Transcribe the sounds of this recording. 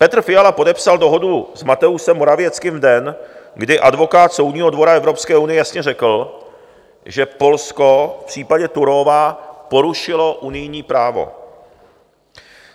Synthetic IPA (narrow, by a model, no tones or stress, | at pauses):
pɛt̪r̩fɪjalapo̞dɛpsaldo̞ɦo̞duzmat̪ɛusɛmːoɾavɪɛt͡skɪmvdɛnɡdɪʔadvo̞kaːt̪so̞wdɲiːɦo̞dvo̞ɾaɛvɾo̞pskɛːʔunɪjɛjasɲɛrɛkl̩ | ʒɛpo̞lsko̞fpr̥iːpaɟɛt̪uɾovapo̞ɾuʃɪlo̞ʔunɪjɲiːpɾaːvo̞̰